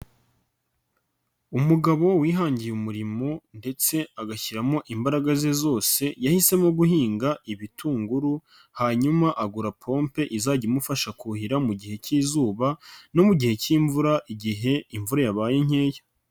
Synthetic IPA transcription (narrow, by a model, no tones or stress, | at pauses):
umuɡaβo̞wiːɦaːɲɟijumuɾimo̞nde̞t͡se̞aɡaçiɾamo̞ʔimbaɾaɡazezo̞ːse̞jahise̞moɡuhiːŋɡaiβitʰuːŋɡuɾu | haɲumaʔaɡuɾapʰo̞ːmpe̞ʔizaɟimufaʃakuhiɾamuɟihe̞ciːzuːβano̞muɟihe̞ciːɱvuɾaʔiɟiɦe̞iɱvuɾajaβaːjeɲ̥e̞ːja